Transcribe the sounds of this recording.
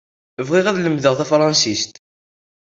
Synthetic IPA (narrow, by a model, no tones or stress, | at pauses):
vʁiʁæðləmðəʁθæfɾˤɑnsist̪